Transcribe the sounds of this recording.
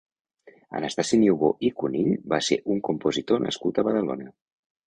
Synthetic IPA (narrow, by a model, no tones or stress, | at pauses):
ə̰nəst̪asiniuβoʔikuniʎbaseʔuŋkumpuzit̪onə̰skut̪əβəð̞əlo̰nə